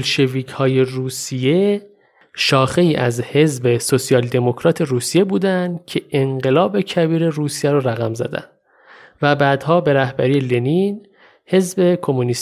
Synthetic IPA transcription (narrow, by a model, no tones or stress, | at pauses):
lʃe̞viːcʰhɒːje̞ruːsije̞ | ʃɒːxe̞iːʔæzhe̞zbe̞sosijɒːld̪e̞mo̞cʰɾɒːt̪ʰe̞ɾuːsije̞buːd̪ænd̪cʰe̞ʔeɴɢe̞lɒːbe̞cʰæbiːɾe̞ɾuːsijæɾoɾæɣæmzæ̰d̪æ̰nd̪ | væbæːd̪hɒːbe̞ɾæhbæɾiːjelenin | he̞zbe̞kʰo̞moniːs